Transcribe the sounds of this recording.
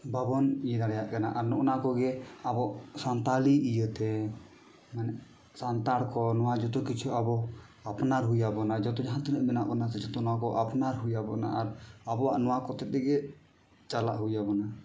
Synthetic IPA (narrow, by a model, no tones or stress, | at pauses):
babɔnijəd̪aɽɛjaʔkana̰ʔaɾnɔʔnakɔɡɛabɔʔsant̪aliijət̪ɛ | mɛnɛʔ | sant̪aɽkɔnɔwad͡ʒɔt̪ɔkit͡ʃʰuabɔ | apnaɾɦujabɔnad͡ʒɔt̪ɔd͡ʒaɦant̪unəʔmɛna̰ʔkanat̪ɛd͡ʒɔt̪ɔnɔwakɔʔapnaɾɦujabɔna̰ʔaɾabɔaʔnɔwakɔt̪ɛt̪̚ɛɡɛ | t͡ʃala̰ʔɦujabɔna